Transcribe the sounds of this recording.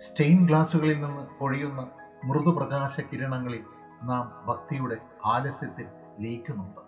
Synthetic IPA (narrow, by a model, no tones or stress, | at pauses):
sʈejnɡɭaːsuɣɐɭilninːɨko̞ɻijunːɐ | mruðuprɐɣaːɕɐkiɾɐɳɐŋːɐɭil | naːmbʱɐk̚t̪ijuɽe̞ | aːlɐsjɐt̪ːil | leːkʲːunːuɳɖɨ